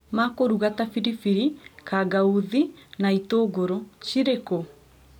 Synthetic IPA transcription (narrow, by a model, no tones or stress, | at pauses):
makoɾuɣatafiɾifiɾikaɡauðinaitoɡoɾoʃiɾeko